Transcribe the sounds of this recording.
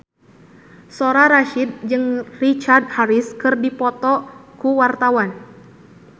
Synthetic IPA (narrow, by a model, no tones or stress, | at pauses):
sɔɾaɾaʃid̪̚d͡ʒɨŋrit͡ʃard̪̚haɾiskɨrdipɔt̪ɔkuwart̪awan